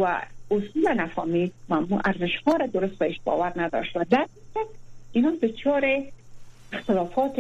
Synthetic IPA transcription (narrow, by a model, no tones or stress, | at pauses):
wa̰ʊsulanafɔmid̪mamuʔaɾzɪʃhɔɾad̪ʊɾʊst̪baeʃbɔ̰waɾnad̪ɔ̰ʃwad̪aɾiʃat̚inɔd̪ʊt͡ʃɔɾe | ɪxt̪ɪlɔfɔt̪